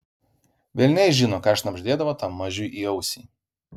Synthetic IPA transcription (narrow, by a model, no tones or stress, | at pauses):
ʋʲelʲnʲɛɪʒʲɪnoːkɑːɐʃnɐbʲʒʲd̪ʲeːd̪ɐʋoːt̪ɑmːɐʒʲʊjʔiːɒʊsʲiː